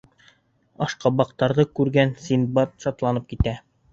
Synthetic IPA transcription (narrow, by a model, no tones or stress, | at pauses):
ɑ̰ʃqɑbɑqt̪ɑɾðɤkʉɾɡænsinbɑt̪ʃɑt̪lˠɑnɤp̚kit̪æ